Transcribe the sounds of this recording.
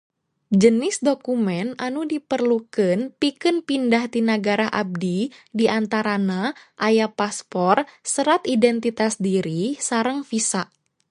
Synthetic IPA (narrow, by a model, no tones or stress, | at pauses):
d͡ʒənɪsdokumɛnanudipərlukɨnpikɨnpindaht̪inaɡaɾaɦʔa̰b̚didiʔant̪aɾanaʔajapaspɔrsəɾat̪idɛnt̪it̪asdiɾisaɾəŋfisaʔ